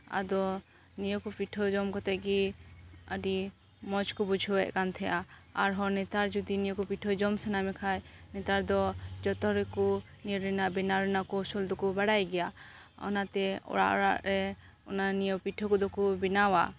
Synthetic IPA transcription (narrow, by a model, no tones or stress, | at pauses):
a̰d̪ɔ | nijɔkɔpiʈʰɔd͡ʒɔmkɔt̪ɛʔɡi | əɖi | mɔt͡ʃkɔbud͡ʒʱɔwɛʔ̚kant̪ʰɛʔaaɾɦɔɾnɛt̪aɾd͡ʒud̪inijɔkɔpiʈʰɔd͡ʒɔmsɛnamɛkʰajnɛt̪aɾd̪ɔd͡ʒɔt̪ɔɾɛkɔ | niɾɾɛnabɛnaɾɛnakɔsɔld̪ɔkɔbaɽajɡɛja | ɔ̰nat̪ɛɔ̰ɽa̰ʔɔ̰ɽa̰ʔɾɛ | ɔ̰nanijɔwpiʈʰɔkɔd̪ɔkubinawa̰